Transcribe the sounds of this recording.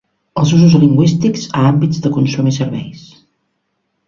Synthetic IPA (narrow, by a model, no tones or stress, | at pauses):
əlˠzuzuzliŋɡwist̪ikz̥aambizðəkunsumisəɾβɛ̰js